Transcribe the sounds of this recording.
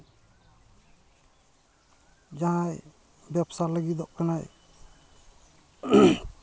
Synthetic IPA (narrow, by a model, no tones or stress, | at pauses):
d͡ʒaaj | bjabsaləɡid̪ɔʔkanaj